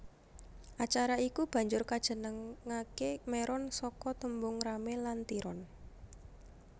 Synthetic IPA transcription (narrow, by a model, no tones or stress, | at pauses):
ʔat͡ʃaɾaikub̥ä̤ɲd͡ʒʊrkad̥ʒ̥ə̤nəŋːakemɛɾʔɔnsɔkɔt̪əmbʊŋɾamelant̪iɾʔɔn